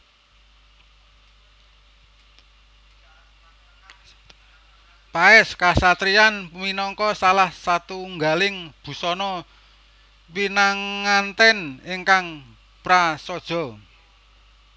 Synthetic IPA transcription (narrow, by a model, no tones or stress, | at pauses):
paɛskasat̪ɾianminɔŋkɔsalahsat̪uŋɡalɪŋb̥ṳsɔnɔ | winaŋːant̪ɛnɪŋkaŋ | pɾasɔd̥ʒ̥ɔ̤